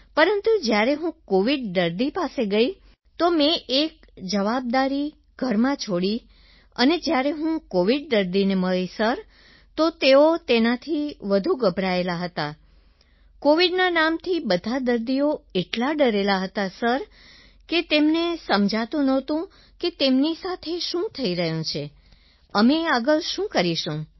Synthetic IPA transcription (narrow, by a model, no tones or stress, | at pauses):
pəɾənt̪ud͡ʒjaɾeɦũkoʋiɖ̚d̪əɾd̪ipaseɡəi | t̪omẽʔek̚d͡ʒəʋab̚d̪aɾi | ɡ̥ʱəɾmãt͡ʃʰoɽi | ə̰ned͡ʒjaɾeɦũkoʋiɖ̚d̪əɾd̪ineməɭisəɾ | t̪ot̪eot̪enat̪ʰiʋəd̪ʱuɡəbʱɾaelaɦət̪a | koʋiɖnanamt̪ʰibəd̪ʱad̪əɾd̪ioeʈlaɖəɾelaɦət̪asəɾ | ket̪emnesəmd͡ʒʱat̪ũnɔt̪ũ | ket̪emnisat̪ʰeʃũt̪ʰəiɾəɦjũt͡ʃʰe | əmeaɡəɭʃũkəɾiʃũ